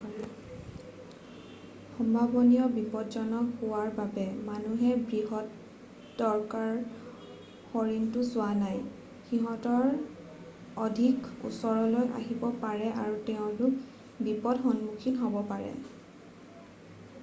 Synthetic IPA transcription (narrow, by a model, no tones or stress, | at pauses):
xɔmbʱabɔnijɔbipɔtzɔnɔhowaɹbabɛmanuɦɛbɹiɦɔt | dɔɹkaɹ | xɔɹintʊsʊwanaj | xiɦɔ̃tɔɹ | ɔdʱikṵsɔɹɔlojʔa̰ɦibɔpaɹɛʔaɹutɛʊ̃lʊk | bipɔdxɔnmukʰinɦɔbɔpaɹɛ̰